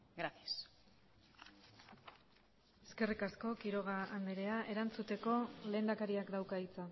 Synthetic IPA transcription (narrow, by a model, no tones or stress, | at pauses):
ɡɾat̪jas | eske̞rikasko̞kiɾo̞ɣ̞aːnd̪eɾe̞aʔe̞ɾant͡sut̪e̞ko̞le̞ːnd̪akaɾiakd̪awkait͡sa